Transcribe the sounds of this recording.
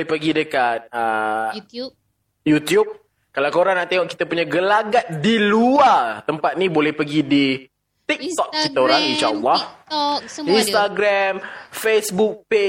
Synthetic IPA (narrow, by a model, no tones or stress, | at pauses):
ɛhpəɡidəkat̪̚ə | jut̪jup̚ | kalawkoɾaŋnaʔt̪eŋɔʔki̥t̪apuɲaɡəlaɡat̪̚diluart̪əmpat̪̚nibolɛhpəɡidi | t̪ik̚tt̪ɔk̪kit̪aoɾaŋid͡ʒawah | inst̪aɡɾamfesbuk̚pe